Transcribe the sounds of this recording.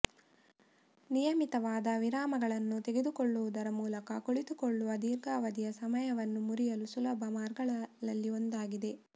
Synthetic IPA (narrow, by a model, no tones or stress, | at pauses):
nijɐmit̪ɐʋaːd̪ɐʋiɾaːmɐɡɐɭɐnːut̪e̞ɡe̞d̪ukoɭːuʋud̪ɐɾɐmuːlɐkɐkoɭit̪ukoɭːuʋɐd̪iːɾɡaːʋɐd̪ijɐsɐmɐjɐʋɐnːumuɾijɐlusulɐbʱɐmaːɾɡɐɭlɐlːio̞nd̪aːɡid̪e̞